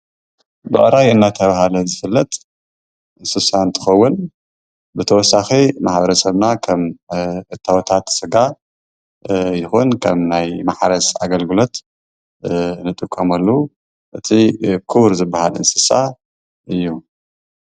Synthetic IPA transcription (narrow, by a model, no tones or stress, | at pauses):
bɨʔʼɾajɨnːat̪ʰɐβahalɐzɨfɨlːɐt̪ | ɨnsɨsant̪ʰɨ̥xɐwːʊn | bɨt̪ʰɐwɔsːaximaħbɐɾɐsɐβnakʰɐmʔɨt̪ʰːawɔt̪ʰat̪sɨɡa | jɪxunkʰɐmnajmaħaɾɐsa̰ɡɐlɡɨlo̞t̪ | nɨt̪ʼɨkʼːɐmɐlːɐu | ʔɨt̪ʰikʰɨβɾzɨbːahalɨ̰nsɨsa | ʔɨjːu